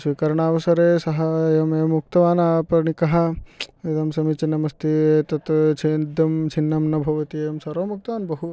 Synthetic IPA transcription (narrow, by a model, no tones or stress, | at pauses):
sʋikɐɾɐɳaːʋɐsɐɾeːsɐɦɐjɐmeːmːuk̚t̪ɐʋaːnaːpɐɾɳikɐɦɐed̪ɐmsɐmit͡ʃinːɐmɐst̪ʰit̪ɐt̪t͡ʃʰeːnd̪ɐmt͡ʃʰinːɐmnɐbʱɐʋɐt̪iejɐmsɐɾoːmuk̚t̪ɐʋaːnbɐɦu